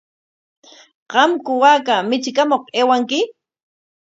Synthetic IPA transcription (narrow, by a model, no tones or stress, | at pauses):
ɢɑmkʊwaːkamɪt͡ʃkamoqeːwaŋkɪ